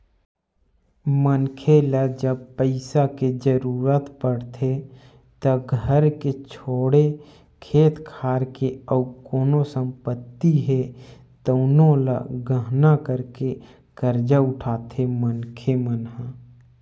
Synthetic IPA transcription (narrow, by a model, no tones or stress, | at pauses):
mənkʰeləd͡ʒəbpəɪsaked͡ʒəɾuːɾət̪pəɽt̪ʰe | t̪əɡʱəɾket͡ʃʰoːɽe | kʰeːt̪kʰaːɾkeəːkoːnosə̃mpət̪ːiɦe | t̪əːnõlə̰ɡəɦnakəɾke | kəɾd͡ʒaʊʈʰaːt̪ʰemənkʰemənɦə